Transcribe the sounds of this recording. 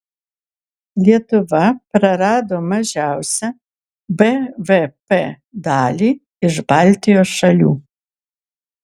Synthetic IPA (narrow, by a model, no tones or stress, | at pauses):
lʲjɛt̪ɔʋapɾɐɾaːd̪ɔmɐʒaːwsɐ | bɛvepe | d̪aːlʲi | iʒbalt̪ijɔʃɐlʲṵː